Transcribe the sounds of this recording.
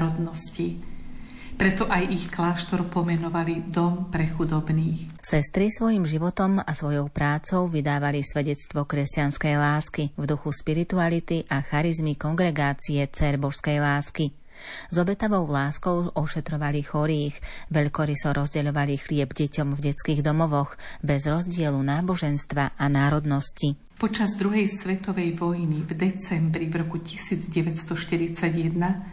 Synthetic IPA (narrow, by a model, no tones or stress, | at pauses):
ɾɔd̪nɔsci | pɾɛt̪ɔʔajixklaːʃt̪ɔɾpɔmɛnɔʋalid̪ɔmpɾɛxud̪ɔbniːxsɛst̪ɾisʋɔjimʒiʋɔt̪ɔmasʋɔjɔʊpɾaːt͡sɔʊʋid̪aːʋalisʋɛɟɛt͡st̪ʋɔkɾɛscanskɛjlaːskivd̪uxuʃpiɾit̪ualit̪iʔaxaɾizmikɔŋɡɾɛɡaːt͡siɛt͡sɛɾbɔwskɛjlaːski | zɔbɛt̪aʋɔʊlaːskɔʊɔʃɛt̪ɾɔʋalixɔɾiːɣʋɛʎkɔɾisɔɾʔɔzɟɛʎɔʋalixlɪɛbɟɛcɔmvɟɛt͡skiːɣd̪ɔmɔʋɔɣbɛzɾɔzɟɪɛlunaːbɔʒɛnst̪ʋaʔanaːɾɔd̪nɔsci | pɔt͡ʃazd̪ɾuɦɛjsʋɛt̪ɔʋɛjʋɔjnivd̪ɛt͡sɛmbɾivɾɔkucisiːd͡zɟɛʋɛcst̪ɔʃt̪iɾit͡saɟjɛd̪na